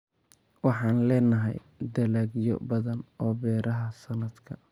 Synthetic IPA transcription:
wɑħɑːnlɛːnɐɦɛ̰j | d̪ɐlaːɡjɔ̰bɐðɐnɔːbɛːɾɐɦɐsɐnɐd̪kʰɐ

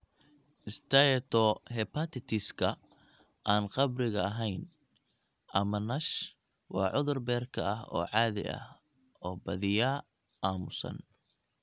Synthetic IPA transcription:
ʔɪst̪ʰɐjɛt̪ʰɔɦɛpʰɐt̪ʰɪt̪ʰɪskʰɐ | ʔaːnqɑbrɪɣɐɐɦɛjn | ʔɐmɐnɐʃ | wɑːʕʊðʊrbɛːrkʰɐɐɦɔ̰ːʕɑːðɪ̰ʔɐ̰h | ɔːbɐðɪjaː | ʔaːmʊsɐ̰n

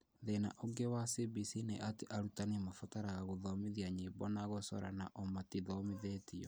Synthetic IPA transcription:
ðena̰ʔoɡewasibisineʔateʔaɾutanemafataɾaɣaɣoðɔmiðiaɲibɔnaɣosɔ̰ɾa̰naʔɔmatiðɔmiðetiɔ

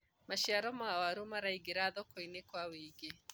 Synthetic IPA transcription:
maʃiaɾɔmawaɾumaɾaiɡeɾaðɔkɔinekwawiɡe

